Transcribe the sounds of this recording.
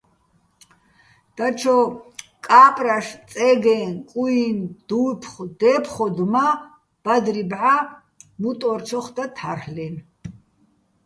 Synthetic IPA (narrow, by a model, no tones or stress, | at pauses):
d̪̥at͡ʃʰɔkʼaːpʼɾaʃt͡sʼɛɡɛnkʼuind̪̥upʰχd̪ɛːpʰχɔd̪ma | b̥ad̪ɾibʕa | mut̪ʼɔrt͡ʃʰɔχd̪at̪ʰarħlɛn